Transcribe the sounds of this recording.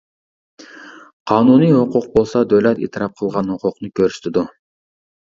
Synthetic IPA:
qʰɑːnunijhoquq̚bolˠsɑd̪øwlɛt̪ḛːt̪ʰɨɾʔɑp̚qʰəlˠʁɑnhoqʰʊqnɨkʰʲøɾsy̥t̪ɪd̪u

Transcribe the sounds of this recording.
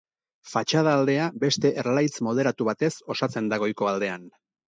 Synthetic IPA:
fat͡ʃað̞aːld̪e̞abe̞st̪e̞ʔerlajt͡smo̞ðe̞ɾat̪uβat̪e̞so̞sat͡se̞nd̪aɣ̞o̞jko̞ald̪e̞an

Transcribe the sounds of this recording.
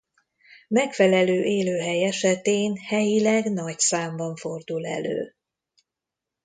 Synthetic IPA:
mɛkfɛlɛløːʔeːløːɦɛjɛʃɛt̪eːnhɛjilɛɡnɒcsaːmbɒɱfo̞rd̪ulɛ̰lø̰ː

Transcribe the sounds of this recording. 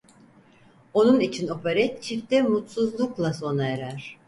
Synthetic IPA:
o̞nunit͡ʃʰino̞pʰaɾɛt̪t͡ʃʰift̪ɛmut̪suzlˠuklˠaso̞naeɾæɾ̥

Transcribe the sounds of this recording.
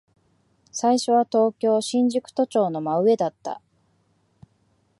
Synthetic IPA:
saiɕo̞β̞at̪o̞ːkʲo̞ːɕĩɲ̟d͡ʑɨkɯ̟̥t̪o̞t͡ɕo̞ːno̞maɯ̟e̞d̪at̪ːa̰

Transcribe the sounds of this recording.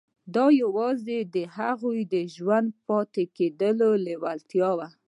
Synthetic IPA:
d̪ɑjawɑzed̪əhaɣujd̪əʒwand̪̚pɑt̪eked̪əlolewalt̪jɑwa

